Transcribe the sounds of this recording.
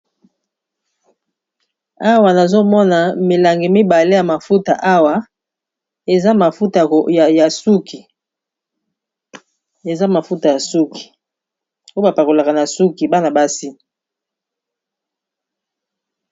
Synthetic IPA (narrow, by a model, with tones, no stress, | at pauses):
a˦wa˨na˨zo˦mɔ˦na˨mi˨la˨ŋɡi˨mi˦ba˨le˦ja˨ma˨fu˦ta˨ʔa˦wa˨ | e˨za˦ma˨fu˦ta˨ja˨su˦ki˨ | e˨za˦ma˨fu˦ta˨ja˨su˦ki̥˨ | o˦ba˨pa˨ko˨la˨ka˨na˨su˦ki˨ba˦na˨ba˦si˦